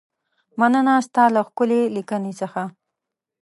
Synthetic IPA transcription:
manənast̪ɑlaxkʊlelikənet͡səxa

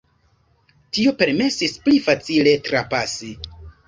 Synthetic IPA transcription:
tio̞pe̞ɾme̞sisplifat͡sile̞tɾapasi

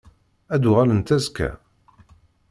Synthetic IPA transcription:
æd̪uʁælənt̪æzkæ̰

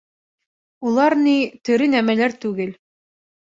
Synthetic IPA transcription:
ulˠɑɾnit̪ɵ̆ɾɘnæmælæɾt̪ʉɡɘl

